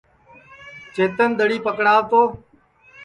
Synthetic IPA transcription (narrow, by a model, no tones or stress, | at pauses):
t͡ʃeːt̪ənd̪əɽiːpəkɽaːʋt̪oː